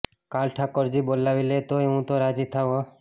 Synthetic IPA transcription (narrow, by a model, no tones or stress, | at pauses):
kalʈʰakɔɾd͡ʒibolawilet̪oeũt̪oɾad͡ʒit̪ʰawo